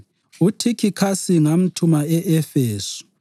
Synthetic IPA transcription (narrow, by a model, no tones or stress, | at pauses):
utʰikʰikʰasiŋam̩tʰumaɛʔɛfeːsu̥